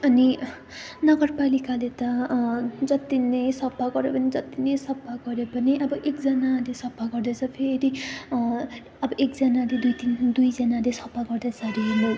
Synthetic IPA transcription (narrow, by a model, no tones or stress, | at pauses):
ʌni | nʌɡʌrpalikalet̪ʌ | d͡zʌt̪inʌjsʌbʱaɡʌɾepʌnid͡zʌt̪inʌjsʌbʱːaɡʌɾepʌniʔʌbʌʔekd͡zʌnalesʌbʱːaɡʌrd̪ʌt͡sʰʌpʰeɾi | ʌbʌʔekd͡zʌnaled̪ujt̪ind̪ujd͡zʌnalesʌbʱaɡʌrd̪asaɾiɦund̪o